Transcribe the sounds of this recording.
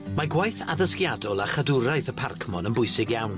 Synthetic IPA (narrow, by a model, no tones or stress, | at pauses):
maɡwajθa̰ðəskjadɔlˠaχadʊɾajθəpʰarkʰmɔnənbʊjsɪɡjawn